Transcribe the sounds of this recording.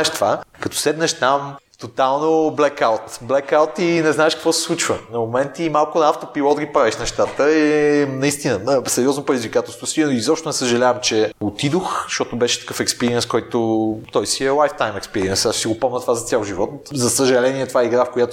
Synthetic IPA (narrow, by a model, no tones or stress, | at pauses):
ɛʃt̪ovakɐt̪ɔ̥sɛd̪nəʃt̪am | t̪ot̪alˠnoblɛkawt̪blɛkawt̪inɛznaɛʃkɐkvɔsɛ̥slˠut͡ʃvənɐmomɛnt̪imalˠkʊnɐaft̪opilˠɔd̪ɐɡʲipɾaviʃnɛʃt̪at̪əɛnɐist̪inəəsɛɾʲiɔznopɾed̪izvikat̪ɛlst̪vosiizɔpʃt̪ʊnɛsəʒɐlʲavɐmt͡ʃɛot̪id̪oxzʃɔt̪ʊbɛʃɛ̥t̪ɐ̥kɤfɛkspɛɾiɛnskɔjt̪ot̪ɔjsiɛlˠajft̪ajmɛkspɛɾiɛnsaʃsiɡopɔmnət̪ovazɐt̪ʲjalˠʒivɔt̪zɐsəʒɐlɛniɛt̪ovaɛiɡɾafkojat̪o